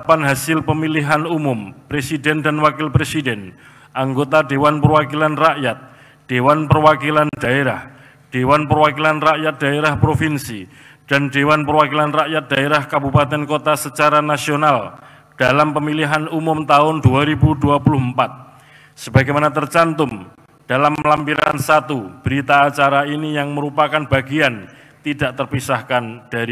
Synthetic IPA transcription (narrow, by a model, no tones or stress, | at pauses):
panɦasɪlpəmiliɦanumʊmpɾesidɛndanwakɪlpɾesidɛn | ʔaŋɡot̪adewanpərwakilanraʔjat̪̚ | d̥ewanpərwakiland̥aeɾah | d̥ewanpərwakilanraʔjat̪̚d̥aeɾahpɾofinsi | d̥andewanpərwakilanraʔjat̪̚d̥aeɾahkabupat̪ɛnkot̪asət͡ʃaɾanasional | d̥alampəmiliɦanumʊmt̪aʊnduaɾibuduapulʊhmpat̪̚ | səbaɡajmanat̪ərt͡ʃant̪ʊm | d̥alamlampiɾaa̰nsat̪ub̥əɾit̪aːt͡ʃaɾainijaŋməɾupakanbaɡian | t̪idaʔt̪ərpisahkand̥aɾi